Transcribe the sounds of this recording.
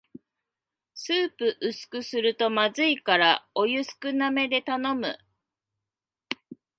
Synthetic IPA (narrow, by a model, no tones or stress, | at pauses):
sɨːpɯ̟ʔɯsɨ̥kɯ̟sɨɾɯ̟t̪o̞mazɨikaɾao̞jɯ̟sɨ̥kɯ̟name̞d̪e̞t̪ano̞mɯ̟̰